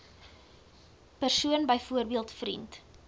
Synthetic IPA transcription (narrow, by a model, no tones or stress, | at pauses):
pərsuənbəjfuərbiəlˠtfɾḭnt